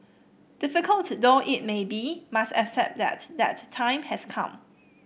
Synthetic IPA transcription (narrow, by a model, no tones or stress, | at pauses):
d̥ɪfɪkəltdoʔɪt̚mebimastɛksɛ̰p̚d̪ɛ̰t̚dɛ̰ttʰːãɪ̃mhɛskʰã̰m